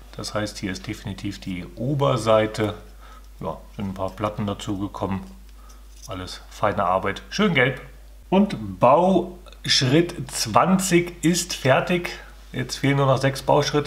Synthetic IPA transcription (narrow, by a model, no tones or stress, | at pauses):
d̥ashaɪsthiːɐɪst̚d̥eːfinitʰiːfd̥iːʔuːbɐzaɪtʰə | ja̰ːz̥ɪntn̩pʰaːɐpl̥atn̩dat͡suːɡəkʰɔmən | ʔaləsfaɪnəʔa̰ɐbaɪtʃøːnɡɛlp | ʔʊntb̥aʊ | ʃʁɪtt͡sv̥ant͡sɪçʔɪstfɛɐtɪç | jɛt͡stfeːlənːuːɐnɔχz̥ɛksb̥aʊʃʁ̥ɪtə